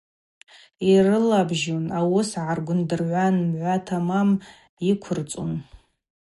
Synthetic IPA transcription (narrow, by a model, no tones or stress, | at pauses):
irɨlabʒunawʊsʕarɡʷʊndɨrʕʷanmʕʷatʰamam | ikʷʰʊrt͡sʼṵn